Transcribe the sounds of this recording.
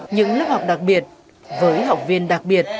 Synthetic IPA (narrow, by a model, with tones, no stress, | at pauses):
ɲɨ̰˧˥ŋlə˦˥p̚ha˨˩wk͡p̚ɗa˨˩k̚ɓi˨˩ət̚ | vəː˨˦jɦa˨˩wk͡p̚vi˧ənɗa˨˩k̚ɓi˨˩ət̚